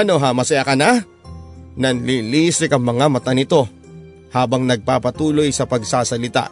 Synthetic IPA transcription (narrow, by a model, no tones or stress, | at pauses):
ɐnoɦamɐsɐjakɐna | nɐlilisɪkɐŋmɐŋamɐt̪ɐnɪt̪o̞ | haːbɐŋnɐɡ̚paːpɐt̪uːlo̞jsɐpɐɡsaːsɐlɪt̪a̰ʔ